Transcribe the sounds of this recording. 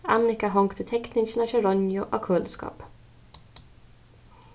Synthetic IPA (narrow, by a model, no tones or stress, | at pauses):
ɑnɪkɑɦɔŋkt̪ʰət̪ʰɛknɪʃnɑʃɛɾɔnjʊʔo̰ːkʰøːlskɑ̰ːp